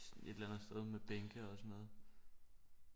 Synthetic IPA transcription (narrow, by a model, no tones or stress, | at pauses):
e̝d̥elænð̩ˠsd̥eð̞ˠmeb̥eŋɡ̥əɒ̽sɒ̽nɔ̽ːð̩ˠ